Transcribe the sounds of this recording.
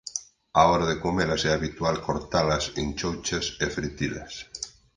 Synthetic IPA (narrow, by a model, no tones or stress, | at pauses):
aoɾaðekomelasɛaβit̪ualkoɾt̪alɐsent͡ʃowt͡ʃasefɾit̪ila̰s